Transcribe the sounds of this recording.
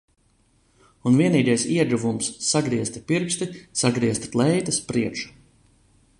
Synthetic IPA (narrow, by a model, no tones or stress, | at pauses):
unviɛniːɡ̪ɛjsiɛd̪ɾuvumsːaɡɾiɛst̪piɾkst̪isaɡɾiɛst̪t̪lˠɛjt̪ɨspɾiɛʃu̥